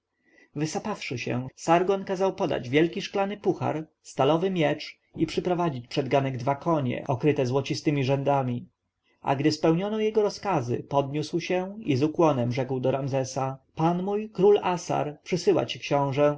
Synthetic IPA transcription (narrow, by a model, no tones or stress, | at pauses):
vɘsapafʂɘɕɛ̰saɾɡɔnkazawpɔd̪a̰d͡ʑvʲjɛlkʲiʂklanɘpuxa̰ɾst̪alɔvɘmʲjɛt͡ʂ | ipʂɘpɾɔvad͡ʑit͡ɕpʂɛd̪ɡanɛɡd̪vakʰɔɲɛ̰ʔɔkɾɘt̪ɛzwɔt͡ɕist̪ɘmʲiʐɛnd̪amʲi | ʔa̰ɡd̪ɘspɛwɲɔnɔjɛɡɔɾɔskazɘ̰pɔd̪ɲuswɕɛizukwɔnɛmʐɛkwd̪ɔɾamzɛsapanmujkɾulasa̰ɾpʂɘsɘwa̰t͡ɕi̥kɕɔ̃w̃ʐɛ